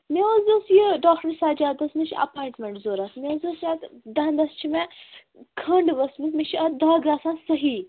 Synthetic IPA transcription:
meəzɐsjiɖaːk̚ʈəɾsaːd͡ʒaːd̪ɐsmĩʃʰiʔɐ̰paːiɳʈmʲeɳʈzoːɾasmezɐsjat̪d̪aːnd̪ɐst͡ʃʰimẽ | kʰɐɳɖʋɐsmismẽʃʰiɐd̪aɡaːsãsɐɦi

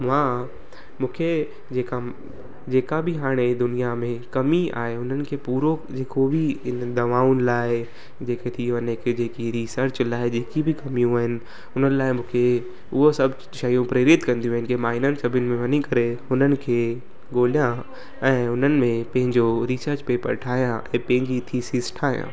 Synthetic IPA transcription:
mãː | mũːkʰe | d͡ʑeːka | d͡ʑeːkabʱɪɦaːɽ̃ed̪ʊnijamẽkɐmia̰ːɦeʊnənɪ̆kʰeːpuːɾod͡ʑeːkʰobʱiɪnd̪ɐʋaːʊnɪ̆laːɪ | d͡ʑeːket̪ʰiʋɐnekʰed͡ʑeːkiɾisəɾt͡ɕlaːɪd͡ʑeːkibʱɪkɐmijũaːɦɪnɪ̆ | ʊn̤ənɪ̆laːɪmũːkʰe | ʊɦosɐbʱ | ʃɐjũpɾeɾɪt̪kɐ̃nd̪iũɦɪnɪkemaːɪnənɪ̆sɐbʱʊnɪ̆mẽʋɐnikɐɾeɦʊnənɪ̆kʰeː | ɡoːlijã | ɛ̃ːʊn̤ənɪ̆mẽpɐ̃ɦɪ̃ɲd͡ʑoɾiːsəɾt͡ɕpepɐ̰ɾʈʰaːijãʔɛ̰̃ːpɐ̃ɦɪ̃ɲd͡ʑit̪ʰisisʈʰaːɦjã̰ː

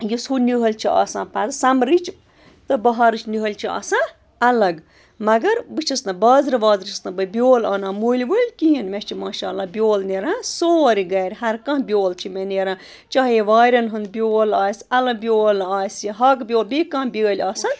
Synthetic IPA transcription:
jisuːnʲiɦɐlʲt͡ʃʰiɐ̰ːsãːpazsɐmɾit͡ʃʰ | t̪ɨbɐɦaɾɨt͡ʃnʲiɦɐlʲt͡ʃʰiɐ̰ːsã | ɐlɐɡ | mɐɡɐɾbɨt͡ʃʰisnɐbaːzɾʋaːzɾt͡ʃʰisnɐ̃bɐbʲjoːlɐːnãːmuːlʲʋolʲkiɦinmet͡ʃʰimaːʃaːlaːbʲjoːlneɾãːsoːɾiɡɐːɾʲɦɐɾkɐ̃ɦbʲjoːlt͡ʃʰimeneɾãː | t͡ʃaɦjiʋaːɾʲɐnɦɨnd̪bʲoːlaːsʲɐlɐbʲjoːlaːsjiɦɐkbʲjoːlbikɐ̃bʲəːlʲaːsɐn

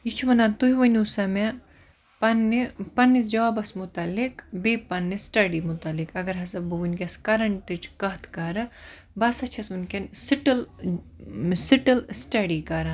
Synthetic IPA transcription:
jit͡ʃʰuʋɐnat̪uɦiʋɐnusɐme | pɐnipɐnːisd͡ʒɐʋaːbɐsmut̪ɐlːikbepɐnːisʈɐɖimut̪ɐlikɐɡɐɾɦɐsɐbɨʋunʲkʲɐskɐɾɐɳʈit͡ʃʰkɐɦt̪ʰkɐɾɐ | bɐsɐt͡ʃʰɐsmɐnkʲɐnsiʈɐl | siʈɐlsʈɐɖikɐɾɐ

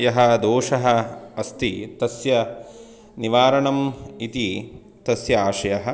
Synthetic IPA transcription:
jɐɦɐd̪oːʂɐɦɐ̆ɐst̪it̪ɐsjɐ | niʋaːɾɐɳɐmit̪i | t̪ɐsjɐaːʂɐjɐɦɐ̆

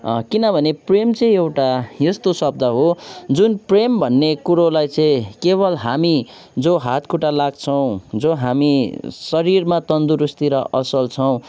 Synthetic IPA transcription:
kinʌbʱʌnepremt͡sʌĩewʈajest̪osʌb̚d̪ʱaɦod͡zunprembʱʌnːekuɾolajt͡sʌ̃ĩkebʌlɦami | d͡zoɦat̪kʰuʈalaɡt͡sʰʌw̃d͡zoɦamisʌɾirmat̪ʌnd̪uɾust̪iɾʌʔʌsʌlt͡sʰʌw̃

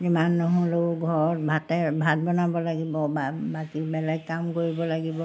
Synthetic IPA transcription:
imanːɔɦũloɡʱɔɹɔt̚bʱatɛbʱat̚bɔnabɔlaɡibɔbabakibɛlɛɡ̚kamkoɹibɔlaɡibɔ

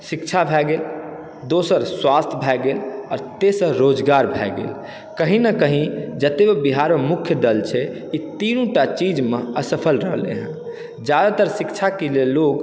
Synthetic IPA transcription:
sikt͡ʃʰabʱɛɡel | d̪osəɾswast̪ʰbʱɛɡelɔːɾt̪esə̃ɾod͡ʒɡaɾbʱɛɡḛːl | kəɦĩnəkəɦĩd͡ʒət̪ebebiɦaɾmemukʰjəd̪əlt͡ʃʰɛ | it̪inũʈat͡ʃid͡ʒmeəsəpʰəlɾəɦlḛɦə̃ | d͡ʒjad̪at̪əɾsikt͡ʃʰakelelːoɡ

